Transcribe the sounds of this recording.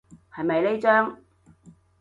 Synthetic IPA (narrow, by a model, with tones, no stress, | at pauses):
hɐ˨jmɐ˨jle˥t͡ʃœː˥ŋ